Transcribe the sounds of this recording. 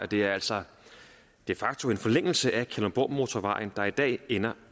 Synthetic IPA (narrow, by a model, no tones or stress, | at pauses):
ɒd̥e̝æɐæl̰sɒ | d̥e̝fɑ̈ɡ̥̚t͡sʰo̝me̝nfɒ̽leŋ̰l̩səʔækʰælob̥ɒ̰ːmo̝t͡sʰɒʋɑ̈ɪ̰n̩d̥ɑ̈id̥ɛ̰ːenɐ